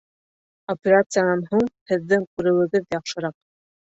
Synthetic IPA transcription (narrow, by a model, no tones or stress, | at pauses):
opʲeɾat̪sɨjanɑnɦuɴhɘ̆ðːɘŋkʉɾɘ̆wɘ̆ɡɘðjɑχʃɤ̆ɾɑq̚